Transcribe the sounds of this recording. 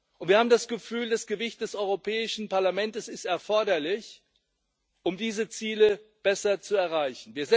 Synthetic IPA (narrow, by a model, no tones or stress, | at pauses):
ʔʊntv̥iɐhaːbm̩ndasɡ̥əfyːldasɡ̥əvɪçt̚d̥ɛsʔɔʏʁopʰɛːɪʃn̩paɐlamɛntəsɪstɛɐfɔɐɾɐlɪç | ʔʊmdiːzət͡siːləb̥ɛsɐt͡suɛɐʁ̞aɪçn̩viːɐzɛ